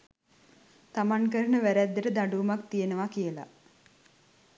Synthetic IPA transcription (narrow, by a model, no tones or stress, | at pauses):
t̪amaŋkəɾənəʋæɾæd̪ːəɾəd̪aɖuːmak̚t̪ijenəʋakijəla̰